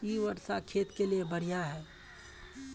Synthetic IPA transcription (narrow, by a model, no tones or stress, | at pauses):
iʋəɾsakʰeːt̪keliebəɽ̤ijaɦɛː